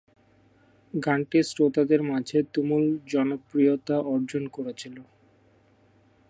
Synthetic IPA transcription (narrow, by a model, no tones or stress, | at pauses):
ɡaɳʈisɾot̪ad̪eɾmad͡ʑʱet̪umuld͡ʑɔnopɾijot̪aʔɔɾd͡ʑonkoɾet͡ɕʰilo